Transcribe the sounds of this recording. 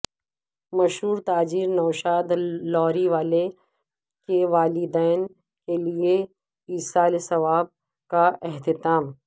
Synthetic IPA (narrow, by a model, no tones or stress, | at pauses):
mɐʃɦuːɾt̪aːd͡ʒiːɾnɐːʃaːd̪lɔːɾiʋaːle | keʋaːlɪd̪ɛːn | kelie | iːsaːlsɐʋaːb̚ | kaʔɛɦt̪ɪt̪aːm